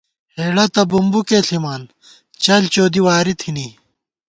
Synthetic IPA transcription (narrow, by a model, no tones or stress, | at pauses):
heːɽɐt̪ɐbumbukeːɬimaːn | t͡ɕɐlt͡ɕoːd̪iwaːɾit̪ʰini